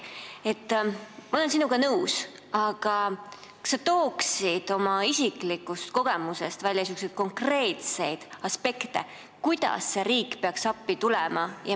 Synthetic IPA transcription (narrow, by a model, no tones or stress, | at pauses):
e̞t̪ːmɑolensinuɡ̥ɑnɤws | ɑɡ̥ɑ | sːɑt̪o̞ːksid̪̥o̞mɑisiklikːˑust̪ko̞ɡ̥e̞muse̞st̪vælʲjɑsykus̬et̪̚ko̞ŋkre̞ːt̪se̞jd̪̥ɑspe̞kt̪e̞̰ | kujd̪̥ɑ̰sːe̞ɾiːkːpeɑksɑpːit̪ulɛmɑjɑ